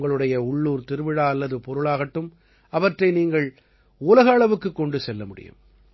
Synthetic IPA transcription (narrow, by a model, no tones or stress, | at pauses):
ŋɡɐɭɯɽɐjɐʊɭːuːɾt̪ɪɾɯʋɪɻaːɐlːɐðɯpɔɾɯɭaːɣɐʈːɯm | ɐʋɐʈrɐɪniːŋɡɐɭ | uːlɐɣɐːɭɐʋɯkːɯkːɔɳɖɯsɛlːɐmʊɽɪ̰jɯ̰m